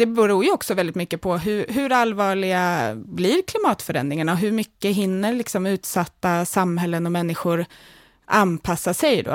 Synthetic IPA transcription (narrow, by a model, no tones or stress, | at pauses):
d̪̥ɛbəɾuːɾjɵɔksɔvɛld̪ɪt̪mʏkːəpʰɔɦɵɾɦɵɾalːvɑːɭɪɡabliɾkʰlɪmɑːt̪fœɾɛ̰nd̪ɾɪŋaɳaɔɦɵɾmʏkːəɦɪnːəɾlɪksɔmʉ̟ːt̪sat̪ːasamɦɛlːənɔmɛnːɪɧʊɾ | ʔanpʰasːasɛjd̪ɔ̰